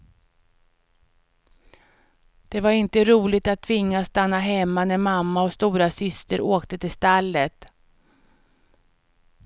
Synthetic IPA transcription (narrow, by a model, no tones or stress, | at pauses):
d̪̥ɛvaɾɪnt̪əɾuːlɪt̪at̪ʰːvɪŋːast̪anːaɦɛmːanæɾmamːaɔst̪uːɾasʏst̪əɾoːkt̪ət̪ɪlst̪alːət̪